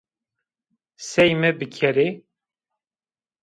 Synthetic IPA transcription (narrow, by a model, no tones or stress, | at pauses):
sɛjmɨbɨkʰɛɾe